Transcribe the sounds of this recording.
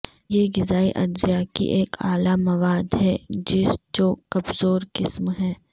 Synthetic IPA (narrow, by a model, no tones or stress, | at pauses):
jeːɡɪzaːiʔɐ̰d̪zijakḭʔeːkʰaːlamɐʋaːd̪ɦɛd͡ʒɪst͡ʃoːkɐbzoːɾkɪsmɦɛː